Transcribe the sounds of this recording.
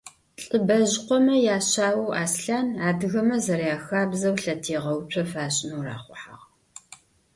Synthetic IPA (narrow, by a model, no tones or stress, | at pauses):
ɬʼɨbɐʑqʷɔmɐjaːɕaːwɐwa̰ːsɬaːnaːdɨɣɐmɐzɐɾjaːxaːbzɐwɬɐtʰeːʁɐwt͡ʃʷʰɐfaːɕʼnuwra̰ːχʷʊħa̰ʁ